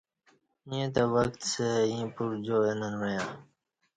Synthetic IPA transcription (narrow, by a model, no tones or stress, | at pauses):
ĩẽt̪awəkt̪seĩːpuɾd͡ʑoːenənwəjãː